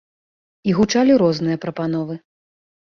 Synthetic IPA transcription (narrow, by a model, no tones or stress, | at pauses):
iɣut͡ʂalʲiɾɔznɨjɐpɾɐpanɔvɨ